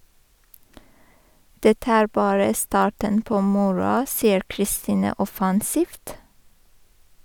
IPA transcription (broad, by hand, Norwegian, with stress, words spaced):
ˈdɛtə ˈæːɹ ˈbɑːɹə ˈstɑːʈən ˈpoː ˈmʊɹʊɑ ˈsiːəɾ kɾɪˈstiːnə ˈɔfɑnsiːft